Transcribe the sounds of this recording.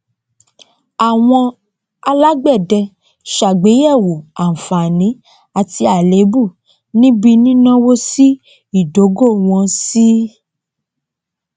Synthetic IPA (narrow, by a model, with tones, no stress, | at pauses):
a˨w̃ɔ̃˧ | a˧la˦ɡ͡bɛ˦˨dɛ˧ | ʃa˨ɡ͡be˨˦jɛ˦˨wo˨a˨n̩˨fa˨nĩ˨˦ | a˨ti˧a˨le˨˦bu˦˨ | nĩ˦bi˧nĩ˦nã˦wo˦si˦ | i˦˨do˨˦ɡo˦˨w̃ɔ̃˧si˦